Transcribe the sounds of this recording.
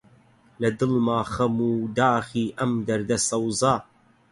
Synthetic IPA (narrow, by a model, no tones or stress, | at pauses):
lɐd̪ɨlmaːχɐmuːd̪aːχiːʔɐmd̪ɐɾd̪ɐsɐwzɑː